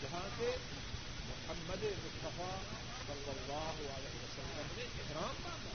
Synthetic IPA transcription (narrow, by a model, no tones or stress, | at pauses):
d͡ʒɐɦãːt̪e | mʊħɐmːɐd̪emʊst̪ɐfaː | sɐlːɐlːɑːɦʊɐlɛːɦɪʋɐsɐlːɐmẽ | kɾaːm